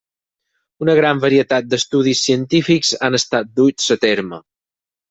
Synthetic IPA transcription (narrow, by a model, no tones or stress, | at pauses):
unəɣɾambəɾiət̪at̪̚d̪əst̪uðisːiənt̪ifikzanəst̪at̪̚d̪usət̪eɾmə